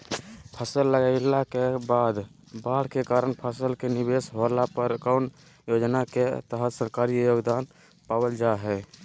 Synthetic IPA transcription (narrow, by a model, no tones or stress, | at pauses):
pʰəsəlːəɡaɪlakebad̪ | baɽ̤kekaɾəɳpʰəsəlkenibesɦolapəɾkəʊn | jod͡ʒnaket̪əɦət̪səɾkaɾijoɡd̪an | pabəld͡ʒaɦɛ